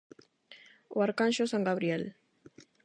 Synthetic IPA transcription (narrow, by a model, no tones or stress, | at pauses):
waɾkanʃosaŋɡaβɾiel